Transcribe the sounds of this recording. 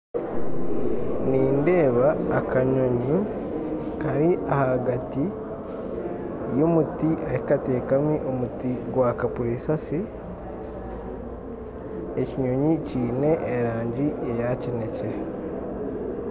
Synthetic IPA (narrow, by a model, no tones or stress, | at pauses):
niːnde̞ːβaːkaɲo̞ɲu | kaɾiʔahaɡati | jomutiʔaikateːkamiʔo̞mutiɡwakapuɾisasi | eciɲo̞ɲiciːne̞ʔːɾaːɲɟiʔejaceneciɾe